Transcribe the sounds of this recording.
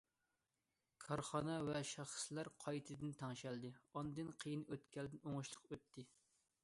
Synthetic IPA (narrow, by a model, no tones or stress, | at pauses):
kʰɑɾχɑnɑvɛʃɑχslæɾqʰɑjt̪ʰɨd̪ɪnt̪ʰɑŋʃɛld̪ɨɑnd̪ɨnqʰəjinøt̪kʲʰɛld̪ɪnoŋʊʃlˠəqøt̪ʰːɪ